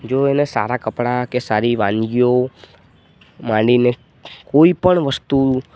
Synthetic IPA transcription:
d͡ʒoenesa̰ɾakəpɽakesaɾiʋãnɡijo | mãɖine | koipəɳʋəst̪u

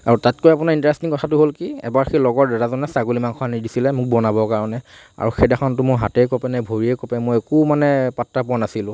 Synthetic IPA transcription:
aɹutatkojapunaɹintɹɛstiŋkɔtʰatʊɦolkiɛ̰baɹxilɔɡɔɹdɛɹazɔnɛsaɡulimanxʰɔɦanidisilɛmʊk̚bɔnabɔkaɹɔnɛ | a̰ɹuxɛdɛxʰɔntʊmʊɹɦatɛjkɔpɛnɛbʱoɹiɛkɔpɛmɔjɛkumanɛpatɹapʊanasilʊ̃

